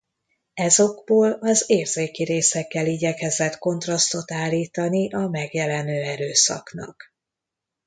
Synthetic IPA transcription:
ɛzo̞ɡboːlɒzeːrzeːkiɾeːsɛkːɛliːɟɛkɛzɛt̪ko̞nt̪rɒst̪o̞t̪aːlːiːt̪ɒniʔɒmɛɡjɛlɛnøːɛɾøːsɒ̰knɒ̰k

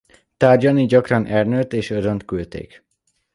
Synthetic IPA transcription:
t̪aːrɟɒniɟɒkrɒnʔɛrnøt̪eːʃøzønt̪kylt̪ḛːk

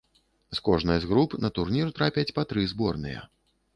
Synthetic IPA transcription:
skɔʐnɨjzɣɾupnɐt̪urnʲirt̪ɾapʲɛt͡sʲpat̪ɾɨzbɔrnɨ̰jɛ̰

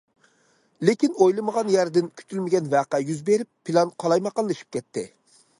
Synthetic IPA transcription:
lɪkʲinojlˠɨməʁɑnjæɾd̪ɪnkʲʰy̥t̪ʰylmɪɡʲɛnvæːqæjyzbeɾɪpʰːilˠɑnqʰɑlˠɑjmɑqɑnlˠɨʃi̥p̚kʲɛt̪ʰːɪ

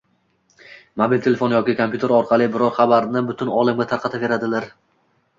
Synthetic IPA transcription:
mobilʲt̪ʰelefonjɒkʲɪkʰompʰʲjut̪ʰe̞ɾɒɾqʰɑlˠɪbɪɾɒɾχɑbaɾnɪbʊt̪ʰʊnɒlˠamɡʲat̪ʰaɾqʰɑt̪ʰave̞ɾad̪ɪlaɾ

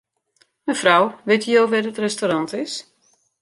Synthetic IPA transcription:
məfrawʋɪtəjoːʋɛdətrɛstoɾɑntɪs

